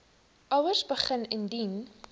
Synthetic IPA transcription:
ʔɐwərsbəχənəndin

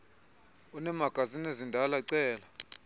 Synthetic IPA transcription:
unɛmaɡ̥ʱazinezindʱalaǀɛːla

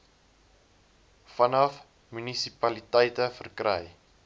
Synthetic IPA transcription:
fɐnɐf | mynisipɐlitɛjtəfərkrɛ̰j

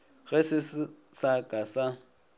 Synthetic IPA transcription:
ɣɛsɪssakʼasa

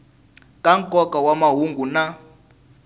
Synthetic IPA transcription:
kʼaŋkʼɔkʼawamaɦuŋɡuna

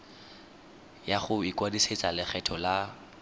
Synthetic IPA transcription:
jaχʊikwadiset͡sʼalɪχɛtʰɔla

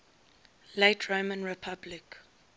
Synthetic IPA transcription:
letʰɹomə̃nɹɛpʰablɪk

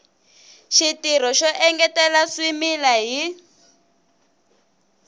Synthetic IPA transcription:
ʃitiɾɔʃɔʔɛŋɡɛtɛlaswimilaɦi

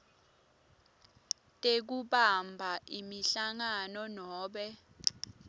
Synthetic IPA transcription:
tʼek̬uɓambʱaʔimiɬaŋanɔnɔːɓɛ

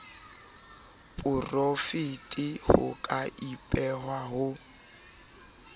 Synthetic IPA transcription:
pʼʊrofitʼɪhʊ̰kʼaʔipʼɛɦwaɦʊ

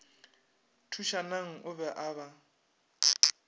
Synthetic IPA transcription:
tʰuʃanaŋ̩ʊbɛʔaːβa

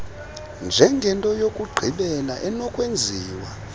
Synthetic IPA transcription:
nd͡ʒʱɛŋɡʱɛntʼɔjokʼuɡ͡ǃʱiɓɛlaʔɛnɔkʼwend͡zʱiːwa

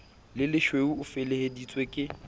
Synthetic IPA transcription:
lɪlɪʃweuʊfɪlehedit͡sʼwekʼɪ

